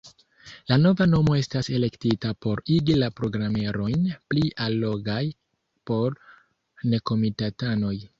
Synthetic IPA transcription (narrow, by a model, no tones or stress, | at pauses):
lano̞vano̞mo̞e̞stase̞le̞ktitapo̞ɾiɡilapɾo̞ɡɾame̞ɾo̞jnpliʔalːo̞ɡaj | po̞ɾ | ne̞ko̞mitatano̞j